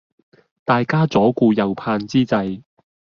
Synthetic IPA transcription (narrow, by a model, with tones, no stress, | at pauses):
t̪aː˨jkaː˥t͡sɔː˨˥kuː˧jɐ˨wpʰaː˧nt͡siː˥t͡sɐ˧j